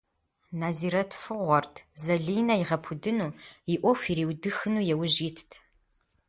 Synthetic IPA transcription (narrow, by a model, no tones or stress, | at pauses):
naːziːɾɐtʰfɨʁʷɔrtʰzɐɮiːnɐjɪʁɐpʰʊdɨnuːjiʔʷɔfiɾiːwdɨxɨnuːjɛwʒiːtʰtʰ